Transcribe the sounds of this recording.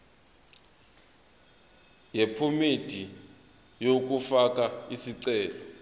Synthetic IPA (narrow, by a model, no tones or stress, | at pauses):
jepʰumed̥ʱi | jok̬ufak̬ʼaisiǀɛːlɔ